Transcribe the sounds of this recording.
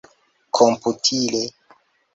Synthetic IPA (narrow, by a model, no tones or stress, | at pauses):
kʰomputʰile